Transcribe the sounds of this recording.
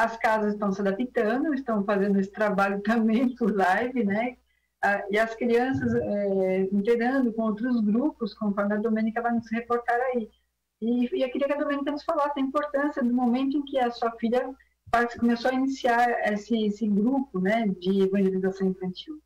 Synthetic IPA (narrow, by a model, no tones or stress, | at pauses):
ɐskazɐzɪst̪ɐ̃w̃sɪad̪apit̪ɐ̃nd̪ʊɪst̪ɐ̃w̃fazẽnd̪ʊesɪ̥t̪ɾabaʎʊt̪ɐ̃mbẽj̃pʊɾlajvɪnɛ | aɪɐskɾiɐ̃sɐzɛĩnt̪eɡɐ̃nd̪ʊkõowt̪ɾʊzɡɾupʊskõmʊfɔɾmɪɐd̪omẽnikɐvajnʊshepoɾt̪aɾai | ɪawkɪɾiɐkɪɐd̪omẽnikɐnʊsfalasɪɐĩmpoɾt̪ɐ̃sjɐd̪ʊmomẽnt̪ʊẽkɪɐsuɐfiʎɐ | paɾt͡ʃkomesoainisiaɾesɪesɪɡɾupʊnɛd͡ʒɪevɐ̃ʒelizasɐ̃w̃ẽfɐ̃nt͡ʃiw